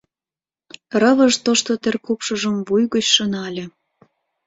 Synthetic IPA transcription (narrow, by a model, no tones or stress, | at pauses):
rə̆βəʒt̪oʃt̪ot̪erkupʃəʒəmvujɣot͡ɕʃənɑlʲĕ